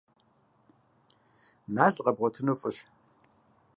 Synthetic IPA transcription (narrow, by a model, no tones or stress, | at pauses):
naːɮʼqɐbʁʷɔtʰɨnufʼɨɕ